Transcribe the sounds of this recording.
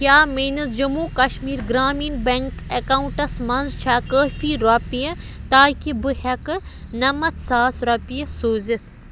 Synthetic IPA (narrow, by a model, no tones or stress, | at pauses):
kʲaːmeːnɐzd͡ʒɐmuːkɐʃmiːɾɡɾaːmiːnbeŋkekauɳʈɐsmɐnzt͡ʃʰaːkəːfiːɾɐpijɐ | t̪aːkʰibɨhɐkɨnɐmɐt̪ʰsaːsɾɐpijɐsoːzit̪ʰ